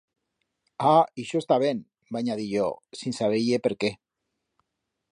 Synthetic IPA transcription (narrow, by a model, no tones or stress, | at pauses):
aiʃoest̪aβ̞en | baɲaðiʎosinsaβ̞ejepeɾke